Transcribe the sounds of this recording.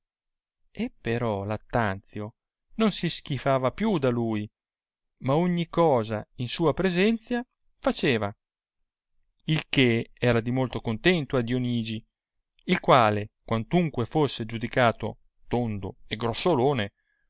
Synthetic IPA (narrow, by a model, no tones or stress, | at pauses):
epːeɾɔlat̪ːant̪sjo | nonsisk̟ifaːvapjud̪aluːj | maoɲːikɔːzainsuːapɾezɛnt̪sja | fat͡ʃeːva | ilkeɛːɾad̪imolt̪okont̪ɛnt̪oad̪joniːd͡ʒi | ilkwaːlekwant̪uŋkwefosːed͡ʒud̪ikaːt̪o̰ | t̪ond̪o̰eɡɾosːoloːne